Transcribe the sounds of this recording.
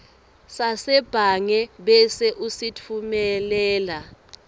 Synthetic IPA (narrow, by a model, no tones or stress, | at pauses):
sasɛb̥ʱaŋɛɓɛsɛʔusitʰumɛlɛːla